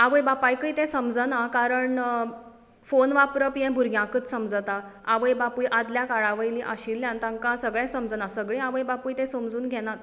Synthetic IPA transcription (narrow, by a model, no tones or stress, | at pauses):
aʋəjbapajkəjt̪ɛ̃səmd͡zənakaɾəɳ | fonʋapɾəpijɛ̃bʱuɾɡʱjãkət̪səmd͡zt̪aaʋəjbapujʔad̪ljakaɭaʋəjliʔaɕilːjãnt̪ãŋkãsəɡɭɛ̃səmd͡zənasəɡɭĩaʋəjbapujt̪ẽsomd͡zuːnɡʱɛnat̪̚